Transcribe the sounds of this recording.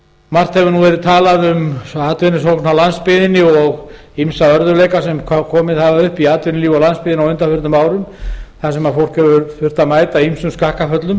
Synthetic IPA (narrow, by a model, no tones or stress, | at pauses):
mar̥t̪hɛvʏnuvɛɾɪðt̪ʰaːlaðʏmaːt̪vɪnːɪsoknawlanspɪðɪnːɪɔɣ | imsaœɾðʏlejkasɛmkʰkʰɔːmɪðhavaʏhpiaːt̪vɪnɪliːvawlanspɪðɪnawʏnt̪afʏɾt̪ʏmaːwɾʏmθasɛmaðfowl̥kɛvʏfʏɾ̥t̪amaːjt̪aimsʏmskahkafœt̪lʏm